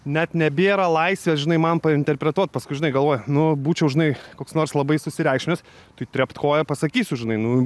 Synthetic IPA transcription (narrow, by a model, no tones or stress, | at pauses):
nʲɛt̪nʲɛbʲeːɾɐlˠɐɪsʲʋʲɛʒʲɪnɐɪmɐnpɐɪnʲt̪ʲɛrʲpʲɾʲɛt̪uɔt̪̚pɐskʊɪʒɪnɐɪɡɐlˠʋoːjɛnʊbuːt͡ʃʲɛʊʒʲɪnɐɪkoːksnoːrslˠɐbɐɪsʊsʲɪɾʲɛˑɪkʃʲmʲɪs | t̪ɐɪt̪ʲɾʲɛpt̪koːjɛpɐsɐkʲiːsʲʊʒʲɪnɐɪnʊ